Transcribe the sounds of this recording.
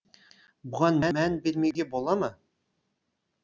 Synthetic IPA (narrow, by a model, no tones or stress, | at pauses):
buʁɑnmæmænbɪlmeɡʲebolˠɑmɤ